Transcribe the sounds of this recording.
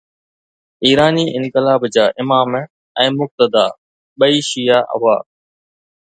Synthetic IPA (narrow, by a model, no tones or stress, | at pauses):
iːɾaːniːʔɪ̃ŋkɪlaːbd͡ʑaːʔɪmaːm | ɛ̃ːmʊk̚t̪əd̪aː | ɓəiːʃijaːʔɐ̰ʋaː